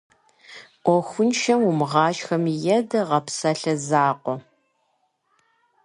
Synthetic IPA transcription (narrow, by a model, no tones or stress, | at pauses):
ʔʷɔxʷʊnʃɐmwʊmʁɑːt͡ʃxɐmjɛdɐʁɐpsɐɬɐzaːqʷɔ